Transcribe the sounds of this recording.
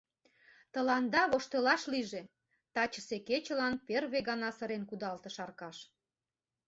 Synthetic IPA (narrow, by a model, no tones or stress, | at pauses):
t̪ə̆lɑnd̪ɑβoʃt̪ə̆lɑʃliʒe | t̪ɑt͡ɕəseket͡ɕə̆lɑnperβeɣɑnɑsə̆ɾenkud̪ɑlt̪ə̆ʃɑrkɑʃ